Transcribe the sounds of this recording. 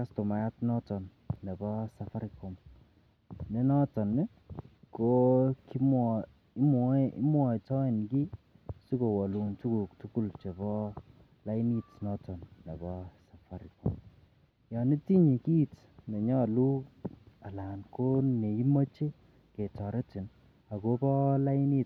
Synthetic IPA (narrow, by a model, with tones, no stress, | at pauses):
ka˦sto˨ma˨ja˦tnɔ˦tɔ˨nː | e˨bɔ˦sa˨fa˦ɾi˨ko˨m | ne˦nɔ˦tɔ˨nː˦ | ko˦ki˦mɔ | i˦mɔ˦ɪ̰˦mwɔ˨i˨tɔ˦e˨nki˦ | su˦ko˨wɔ˨lu˨ntu˦ku˨k̚tu˦ku˦lt͡ʃe˨bɔ˦ | la˦i˦ni˦tnɔ˦tɔ˨nna˨bɔ˦sa˨fa˦ɾi˨ko̰˦m | jɔ˨ni˦ti˦ɲi˨ki˦t | ne˨ɲɔ˦˨lu˦a˨la˨nko˦ne˨i˦mo˦t͡ʃe˦ | ke˨tɔ˨ɾe˦ti˨n | a˨ko˦pɔ˦la˦i˦ni˦t